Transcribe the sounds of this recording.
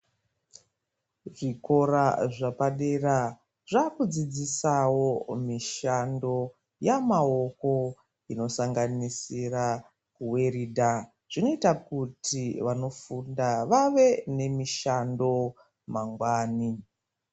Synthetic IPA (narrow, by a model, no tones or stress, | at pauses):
ʐiko̞ɾaʐapaɗera | ʐakud͡zid͡zisawo̞miʃando̞ | jamao̞ko̞ | ino̞saŋɡanisira | kuwe̞riːdʱa | ʐ̥ino̞itakutʰiʋano̞fundaʋaʋe̞ne̞miʃando̞ | maŋɡwaːni